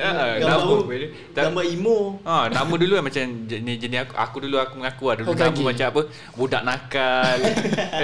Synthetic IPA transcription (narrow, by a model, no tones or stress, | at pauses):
əʔənaməbeu | t̪aamaimoãnamə̃duluamat͡ʃamd͡ʒənisd͡ʒənɪakuʔa̰kuduluakuməŋakuadulunaməmat͡ʃamapə | budaʔnãkal